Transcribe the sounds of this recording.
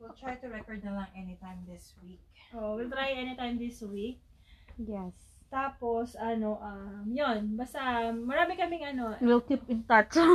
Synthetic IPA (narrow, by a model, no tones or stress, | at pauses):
wɪlt̪ɹajt̪ʊɹɛkoɹd̪̚nɐlɐŋʔɛnit̪ãjmðɪswik̚ | ʔoʔowɪlt̪ɹajʔɛnit̪ajmðɪswik̚ | jɛs | t̪aːposʔɐno̞ʔɐmjonbast̪ɐmɐɾaːmɪŋkɐmɪŋɐnowilkipɪ̃nt̪at͡ʃ